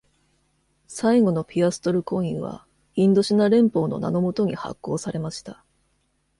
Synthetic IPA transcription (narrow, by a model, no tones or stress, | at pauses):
saiɡo̞no̞pʲiasɨ̥t̪o̞ɾɯ̟kõ̞ɰ̃iβa̰ | ĩnd̪o̞ɕinaɾẽ̞mpo̞ːno̞̰na̰no̞mo̞t̪o̞ɲ̟iha̰kːo̞ːsaɾe̞maɕi̥t̪a